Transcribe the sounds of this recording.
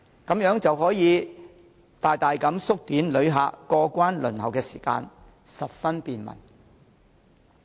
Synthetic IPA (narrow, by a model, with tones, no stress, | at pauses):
kɐ˨˥mjœː˨˥ŋt͡sɐ˨wɦɔː˨˥jiː˨˧ | t̪aː˨jt̪aː˨jkɐ˨˥msʊ˥k̚t̪iː˨˥nlɵ˨˧ɥɦa̰ː˨˧kɔː˧kʷaː˥nlɵ̰˨˩nhɐ˨˩wkɛː˧si̥ː˨˩ka̰ː˧n | sɐ˨p̚fɐ˥npiː˨˧nmɐ̰˨˩n